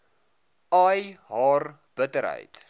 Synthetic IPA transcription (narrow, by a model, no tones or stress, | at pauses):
ɑjɦɑːr | b̥ətəɾɦə̰jt